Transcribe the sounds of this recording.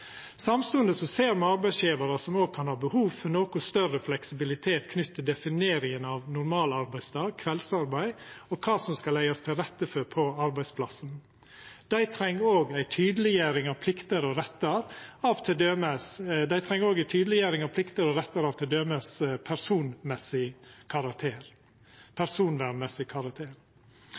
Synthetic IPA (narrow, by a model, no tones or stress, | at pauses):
sɑmst̪ʉːənd̪əsɔseːɾmɑɾbæɪsjeːʋɑɾəsɔmoːɡ̚kʰɑnhɑːbəhuːʋfɔnoːkʊst̪œrəflɛksɪbɪlɪt̪ʰeːt̪kʰnʏt̪ʰːəd̪ɛfɪneːɾɪŋənɑʋnʊɾmɑːlɑɾbæɪst̪ʰɑːɡ̚kʰʋɛlsɑɾbæɪɔkʰɑːsɔmskɑlæɪɑst̪ʰɪlɾɛt̪ːəfɔɾpʰɔɑɾbæɪspʰlɑ̰sən | d̪̥æɪt̪ʰɾɛŋːoːɡæɪt̪ʰyːd̪əlɪjæːɾɪŋɑʋpʰlɪkt̪əɾɔɾɛt̪ːəɾɑʋt̪ʰɪd̪øːmesd̪æɪt̪ʰɾɛŋːoːɡæɪt̪ʰyːd̪əlɪjæːɾɪŋɑʋpʰlɪkt̪əɾɔɾɛt̪ːəɾɑʋt̪ʰɪld̪øːməspʰæɾsuːnmɛsɪkʰɑɾɑkt̪ʰeːɾ | pʰæɾsuːnʋæmɛsɪkʰɑɾɑk̚t̪ʰeːɾ